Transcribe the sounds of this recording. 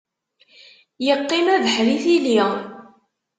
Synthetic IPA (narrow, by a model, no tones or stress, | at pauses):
jəqːɪmæðəħɾiθili